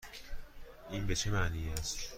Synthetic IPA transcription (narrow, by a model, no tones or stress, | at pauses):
ʔiːnbe̞t͡ʃʰe̞mæʔniːæst̪